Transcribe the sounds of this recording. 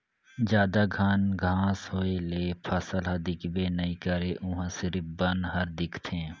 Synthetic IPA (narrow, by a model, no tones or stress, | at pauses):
d͡ʒjaːd̪aɡʱaːnɡʱãːsɦoːeleːpʰəsəlɦəd̪ɪkbeːnəĩːkəɾeːʔʊ̃ɦãsɪɾɪfbənɦəɾd̪ɪkʰt̪ʰẽː